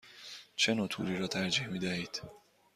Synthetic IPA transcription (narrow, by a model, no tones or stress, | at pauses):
t͡ʃʰe̞noːt̪ʰṵːɾiːɾɒːt̪ʰæɾd͡ʒiːhmiːd̪æhiːd̪̥